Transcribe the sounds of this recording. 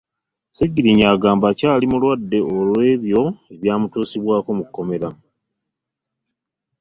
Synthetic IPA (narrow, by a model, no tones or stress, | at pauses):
seɡiɾiɲaːɡaːmbacaːlimulwadːe̞olwe̞ːβjo̞e̞βjaːmutuːsiβwaːko̞mukːo̞me̞ɾa